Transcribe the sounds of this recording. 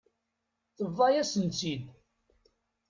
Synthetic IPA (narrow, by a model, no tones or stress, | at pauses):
θəvːˤɑjæsənt͡sid̪